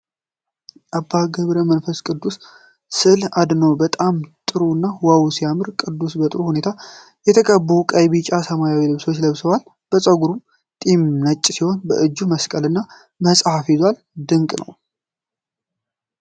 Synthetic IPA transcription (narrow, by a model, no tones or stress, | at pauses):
ʔabːaɡəβɾəmənfəskʼɨd̪ːus | sɨlad̪nəwbət̪ʼamt̪ʼɨɾuɨnːawawsijamɨɾkʼɨd̪ːusbət̪ʼɨɾuhune̞t̪ʰa | jɛt̪ʰəkʼəbːəukʼəjβit͡ʃʼasəmajawilɨβso̞t͡ʃːləβsəwal | b̥əsʼəɡuɾum | t̪ʼimnət͡ʃʼːsiho̞nbəʔɨd͡ʒːuməskʼəlɨnːa | məsʼhafizwal | d̪ɨŋkʼnʔə̰w